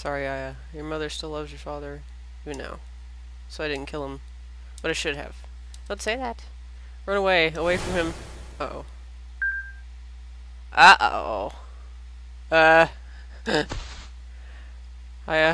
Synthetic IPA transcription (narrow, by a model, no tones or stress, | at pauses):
sɑɹiaɪɨ | jə˞mʌðə˞stɪlʌvzjə˞fɑðə˞ | ivɨ̃nːa̰ʊ | soʊaɪɾɪdⁿn̩kʰɪlˠə̃m | b̥ʌɾaɪʃʊd̚ɨ̰v̥ | ɪ̃nseɪðæt̚ | ɹʌ̃ñəweɪəweɪfɹʌ̃mɨ̃m | oʊ | ʔʌʔo̰o̰ʊ | ʌ | aɪɨ